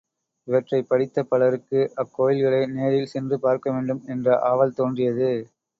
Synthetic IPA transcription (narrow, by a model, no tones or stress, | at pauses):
ɪʋɐʈrɐɪpːɐɽɪt̪ːɐpːɐɭɐɾɯkːɯʔɐkːoːjɪlɣɐɭɐɪneːɾɪlsɛndrɯpaːɾkɐʋeːɳɖɯmɛndrɐʔaːʋɐlt̪oːndrɪjɐðɯ